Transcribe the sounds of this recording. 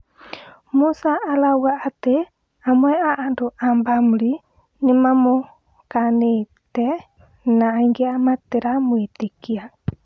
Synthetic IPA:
musaalawaʔat̪ɛ | amoɛaʔadoʔambamli | ɲimamo | kane | t̪ɛ | naiŋɡiamat̪ɛɾamuit̪ikia

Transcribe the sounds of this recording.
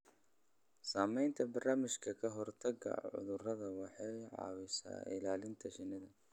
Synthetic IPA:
saːmɛjnt̪ʰɐbɐrnaːmɪʃkʰɐkʰɐɦɔrt̪ʰɐɡɐ̰ʕʊ̰ðʊrɐðɐwɑħɑjʕɑ̰ːwɪsa̰ːɪ̰laːlɪnt̪ʰɐʃɪnɪðɐ

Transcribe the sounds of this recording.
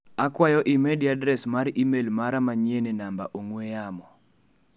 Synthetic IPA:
akwajɔʔɪmediadɾɛsmaɾimelmaɾamaɲenenamba̰ʔoŋwejamɔ

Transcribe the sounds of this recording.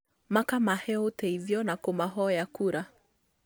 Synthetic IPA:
makamahɛoteiðjɔnakomaɦɔjakuɾa

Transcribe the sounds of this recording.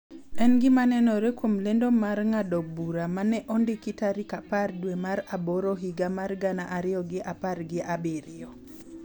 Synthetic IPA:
ɛnɡɪmanɛnɔɾɛkwomlendomaɾŋadɔbuɾamanɛʔɔndɪkɪtaɾikapardwemaɾabɔɾoɦiɡamarɡanaʔaɾɪɔɡɪʔaparɡɪʔabɪɾɪɔ

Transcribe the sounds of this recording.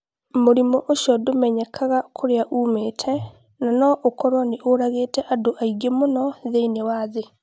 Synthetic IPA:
moɾimɔʔoʃjɔdomɛɲɛkʰaɣakʰoɾeaʔuːmeːtʰɛ | nanɔʔokɔɾwɔneʔoɾaɣeːtɛʔadoʔaiɡemonɔðeinewaːðe

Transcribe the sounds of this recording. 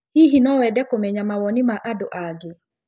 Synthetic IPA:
hiɦinɔwɛdɛkomɛɲamawɔnɪmaʔadoʔaɡɪ

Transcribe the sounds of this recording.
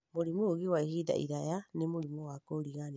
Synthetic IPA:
moɾimoːɣiwaihida̰ḭɾajanemoɾimoakoɾiɣan

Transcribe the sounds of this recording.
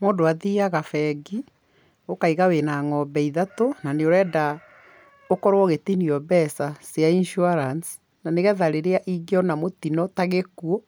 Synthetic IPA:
moːndoaðiaɣafɛɡi | okaiɣawenaŋɔbɛiðatonaneoɾɛːda | okɔɾwɔɣetiniɔbɛsaseainʃuaɾans | naneɣɛðaɾeɾeaʔiɡeɔnamotinɔtaɣekuɔ

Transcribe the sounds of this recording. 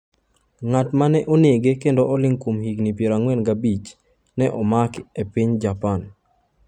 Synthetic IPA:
ŋatmanɛʔɔnjeɡekendoʔɔlɪŋkomhiɡnipjeɾaŋwɛnɡabit͡ʃ | nɛʔɔmakepiɲd͡ʒapan

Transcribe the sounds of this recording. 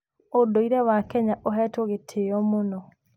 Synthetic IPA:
odoiɾɛwakɛɲaʔoɦɛtoɣetʰeɔmonɔ

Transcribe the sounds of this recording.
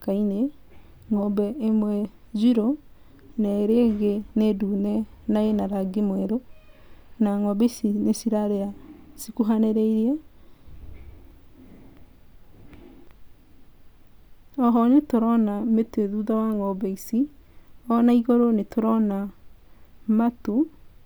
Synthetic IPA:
kaine | ŋɔbɛemwɛd͡ʒiɾo | naeɾeɣeneduːnɛnaenaɾaɡemwɛɾo | naŋɔbeisinesiɾaɾeasikuɦaneɾɛiɾiɛ | ɔɦɔnetoɾɔnameteðuðawaŋɔbɛisiɔnaiɣoɾonetoɾɔna | matu

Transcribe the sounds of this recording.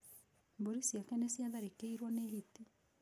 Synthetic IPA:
mboɾisiakɛnɛsiaðaɾikeiɾwɔnehiti

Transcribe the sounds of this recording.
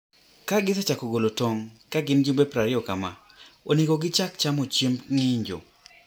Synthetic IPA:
kaɡɪsɛt͡ʃakoɡolotoŋkaɡɪnd͡ʒumbepɾaɾɪɔkama | onekoɡɪt͡ʃakt͡ʃamot͡ʃembŋɪɲd͡ʒo̰

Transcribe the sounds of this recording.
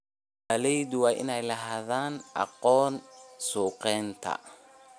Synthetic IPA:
ɐlɛjd̪wɑːʔɪ̰nɛjlɐɦaːðaːnʔɑ̰qɔːnsuːqɛːnt̪ʰɐ̰

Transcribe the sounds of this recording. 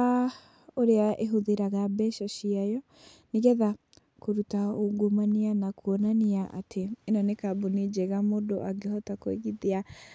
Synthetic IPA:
a | oɾeaʔeɦoðeɾaɣabɛʃaʃiajɔ | niɣɛða | koɾutaoɡomanianakʰuɔnaniaʔa̰tʰeːnɔnekaboned͡ʒeɣamodoʔaɡehɔtakwḛɣiðia

